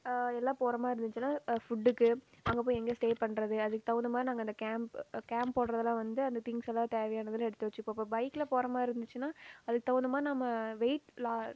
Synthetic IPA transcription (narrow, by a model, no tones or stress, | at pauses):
ɛlːaːpoːɾɐmaːɪɾɯnd̪ɯt͡ʃːɯnaːfʊɖːɯkːɯ | ɐŋɡɐpoːjɛŋɡeːsʈeːpɐɳːɾɐðɯɐðɯkːɯt̪ɐʋɐnd̪ɯmaːd̪ɾinaːŋɡɐɪnd̪ɐkaːmpkaːmppoːɽɾɐðɐlãːʋɐnd̪ɯɐnd̪ɐt̪ɪŋɡsɛlːãːt̪eːʋɛjaːnɐðɯlɛɽɯt̪ːɯʋɐt͡ʃːɯkːõːɐpːoːbɐɪkːɪlɐpoːɾɐmaːɪɾɯnd̪ɯt͡ʃːɯnaːɐðɯkːɯt̪ɐʋɐnd̪ɯmaːɾinɐmːɐʋeɪʈlaː